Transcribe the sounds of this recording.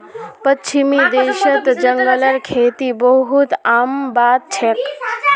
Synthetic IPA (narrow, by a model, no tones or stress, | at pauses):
pət͡ʃʰimid̪eːʃət̪d͡ʒəŋɡələɾkʰeːt̪ibəɦut̪aːmbaːt̪̚t͡ʃʰek